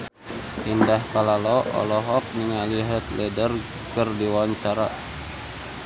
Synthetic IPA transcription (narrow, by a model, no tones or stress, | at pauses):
indahkalalɔʔɔ̰lɔɦɔk̚ɲiŋaliɦət̪̚lʔɛdər | kərdiwaɲt͡ʃaɾa